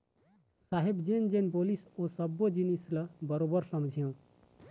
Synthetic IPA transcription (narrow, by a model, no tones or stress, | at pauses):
saɦibd͡ʒend͡ʒenbolisosəbːod͡ʒinisləbəɾobəɾsəmd͡ʒʱijõ